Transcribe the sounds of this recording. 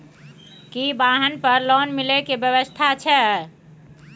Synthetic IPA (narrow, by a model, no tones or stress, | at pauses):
kibaɦənpəɾlɔnmilekebjəβəst̪ʰat͡ʃʰɛ